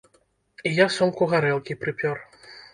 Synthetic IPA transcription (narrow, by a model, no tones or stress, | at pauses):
ijasɔmkʊɣaɾɛlˠkʲipɾɨpʲjɔr